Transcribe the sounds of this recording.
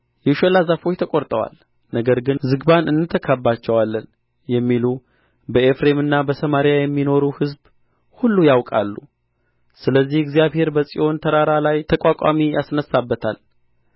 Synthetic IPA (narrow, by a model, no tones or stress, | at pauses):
jɛʃəlazafo̞t͡ʃt̪ʰəkʼo̞ɾt̪ʼəwa̰l | nəɡəɾɡɨnzɨɡbanɨnːɨt̪ʰːəkʰabːat͡ʃːɛwalːən | jɛmːilu | bəefɾe̞mɨnːabəsəmaɾijajɛmːino̞ɾuhɨzb | hulːujawkʼa̰lːu | sɨləzːihɪɡzjaβhe̞ɾbəsʼḭʔo̞nt̪ʰəɾaɾalajt̪ʰəkʼakʷʼamijasnəsːabːət̪ʰa̰l